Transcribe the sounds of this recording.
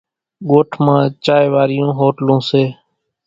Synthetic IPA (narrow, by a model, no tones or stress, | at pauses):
ɠoːʈʰmãːt͡ʃaːeːʋaːɾɪjõːɦoːʈlõːseː